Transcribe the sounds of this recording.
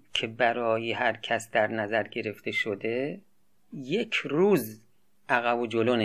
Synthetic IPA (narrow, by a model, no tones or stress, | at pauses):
kʰebæɾɒːjehæɾkʰæsd̪æɾnæzæɾɡe̞ɾe̞ft̪ʰe̞ʃod̪e̞ | jekʰɾuːz | ʔæɣæbod͡ʒolone